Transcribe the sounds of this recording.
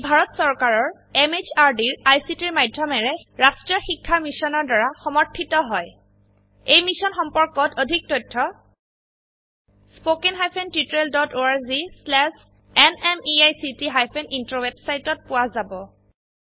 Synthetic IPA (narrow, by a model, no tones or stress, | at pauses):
bʱaɹɔtsɔɹkaɹɔɹ | ɛmet͡ʃaɹdiɹajsitiɹmajdʱːɔmɛɹɛɹastɹijɔxikʰːamisɔnɔɹdaɹaxɔmɔɹtʰːitɔɦɔj | ejmisɔnxɔmpɔɹkɔtodʱik̚tɔjtʰːɔ | spokenɦajpʰentitɹeldɔtoaɹzislɛs | ɛnɛmiajsitiɦajpʰenintɹowebsajtɔt̚pʊwazabɔ